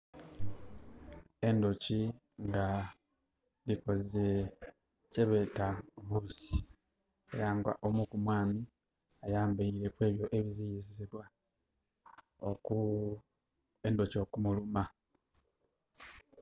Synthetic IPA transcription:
e̞ndoci | ŋɡa | liko̞ze | ceβetaβusi̥ | a̰jaːŋɡwa̰ʔomukumwaːmi | ajaːmbaiɾe̞kwe̞ːβjo̞ʔeβizijiziziβwa | o̰ku | endoco̞ːkumuluma

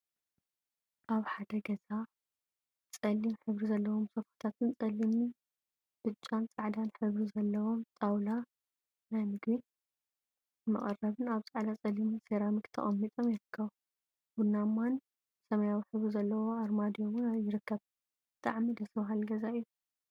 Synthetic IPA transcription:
ʔaβħad̪ɐɡɐza | t͡sʼɐlimħɨβɾizɐlːɐwomsofḁt̪ʰat̪ʰɨnt͡sʼɐlimi | b̥ɨt͡ʃʼːant͡sʼaʕd̪anħɨβɾizɐlːɐwo̞mt̪ʼawla | najmɨɡβin | mɐ̰χʼɐrːɐβɨnaβt͡sʼaʕd̪at͡sʼɐlimiseɾamikt̪ʰɐ̰χʼɐmːit̪ʼomjɪɾɨkʰːɐβ | bunːamːan | sɐmɐjawiħɨβɾizɐlːɐwo̞aɾmad̪ijowʊnajɪɾɨkʰːɐβ | bɨt̪ʼaʕmid̪ɐsɐβɦalɡɐzaɨju

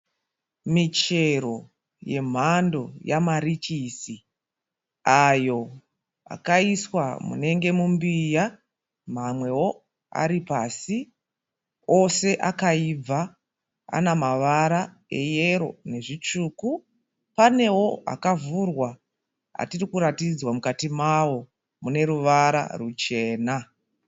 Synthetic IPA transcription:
mit͡ʃe̞ro̞ | je̞̰m̤ando̞jamaɾit͡ʃisi | ajo̞ | a̰kaiswa̰mṵne̞ŋɡe̞mumbija | mamwe̞wo̞ | a̰ɾipasi | o̞se̞ʔakaib͡va | a̰namaʋaɾa | e̞je̞ɾo̞̰ne̞ʐit͡ʂuːku | pane̞wo̞a̰kavurwa | a̰tirikuɾatid͡zwamukatimawo̞ | mune̞ɾuʋaɾa̰rut͡ʃe̞ːna

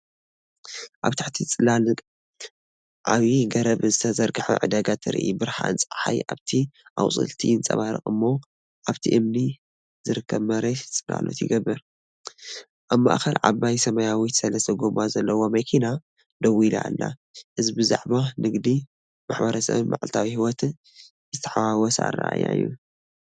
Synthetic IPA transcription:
ʔaβt̪ʰaħt̪ʰit͡sʼɨlalɨkʼ | ʔaβiɡɐɾɐβzɨt̪ʰɐzɐɾɡɨħṵʕɨ̰d̪aɡat̪ʰɨɾḭʔibɨɾħa̰ɨ̰nt͡sʼħa̰jʔa̰βt̪ʰiʔa̰wsʼɨ̰lt̪ʰḭɨnt͡sʼɐ̰βaɾɨ̰χʼɨmːo̞ | ʔaβt̪ʰiʔɨmni | z̥ɨɾɨkʰːɐβmɐɾet͡sʼɨla̰lo̰t̪jɪ̰ɡɐbːɨɾ | ʔaβma̰ʔxɐlʕa̰bajsɐmɐjawit̪sɐlɐsɐɡomazɐlːɐwo̞mɐkʰina | d̪ɐwila̰lːa̰ʔɨzbɨza̰ʕbanɨɡd̪i | maħbɐɾɐsɐ̰βmaʕlt̪ʰawihiwɔt̪ | zɨt̪ʰɐ̥ħawawɔsa̰ra̰ʔa̰ja̰jːu

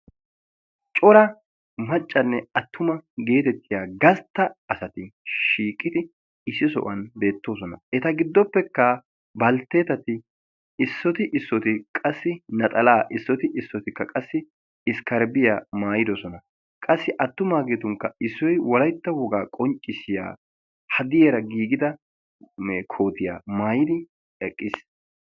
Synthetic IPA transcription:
t͡ʃʼɔɾɐ | mɐt͡ʃʼːɐnːɛɐt̪ːʊmɐɡe̞ːt̪ɛt̪ːɪjaːɡɐst̪ːɐːsɐt̪ɪʃiːkʼːɪd̪ɪ | ɪsːɪsɔ̰ʔɐnbe̞ːt̪ːo̞ːs̬ɔnɐ̰ɛt̪ɐɡɪd̪ːɔpːɛkːɐ | bɐlt̪e̞ːt̪ɐt̪ɪ | ɪsːɔt̪ɪʔɪsːɔt̪ɪkʼɐsːɪnɐt̪ʼɐlaːʔɪsːɔt̪ɪʔɪsːɔt̪ɪkːɐkʼɐsːɪ | ɪskɐɾbɪjaːmaːjɪd̪ɔsɔnɐ | kʼɐsːɪʔɐt̪ːʊmaːɡet̪ʊŋkːɐɪsːɔjwɔlɐjt̪ːɐwɔɡaːkʼɔŋt͡ʃʼːɪsɪja̰ː | hɐd̪ɪjeɾɐɡiːɡɪd̪ɐ | kʰo̞ːt̪ɪja̰ːmaːjɪd̪ɪ | ɛkʼːɪs

